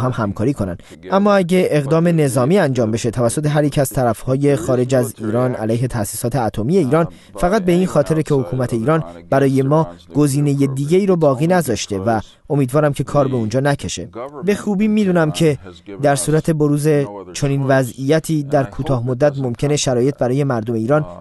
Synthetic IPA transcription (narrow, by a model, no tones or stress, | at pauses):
ɦæmhæmkʰɒːɾiːkʰo̞næ̰nd̪ | ʔæmːɒːæɟe̞ʔeːɣd̪ɒːme̞ne̞zɒːmiːænd͡ʒɒːmbe̞ʃe̞t̪ʰævæsːo̞t̪ʰe̞ɦæɾjiːcʰæzt̪ʰæɾæfhɒːje̞xɒːɾe̞d͡ʒæziːɾɒːnæ̰læjɦe̞t̪ʰæsiːsɒːt̪ʰe̞æt̪ʰo̞miːje̞iːɾɒːn | fæɣæt̪̚be̞iːnxɒːt̪ʰe̞ɾecʰe̞ho̞kʰuːmæt̪ʰe̞iːɾɒːnb̥æɾɒːje̞mɒːɡ̥o̞ziːne̞jed̪iːɟe̞iːɾɔbɒːɣiːnæzɒːʃt̪e̞væ | omiːd̪vɒːɾæmcʰe̞kʰɒːɾbe̞und͡ʒɒːnæcʰe̞ʃe̞̰be̞xuːbiːmiːd̪uːnæmcʰe̞d̪æɾsuːɾæt̪ʰe̞bo̞ɾuːze̞t͡ʃʰo̞niːnvæzijæt̪ʰiːd̪æɾkʰuːt̪ʰɒːhmod̪ːæt̪mo̞mcʰe̞ne̞ʃæɾɒːje̞t̪̚bæɾɒːje̞mæɾd̪ome̞iːɾɒːn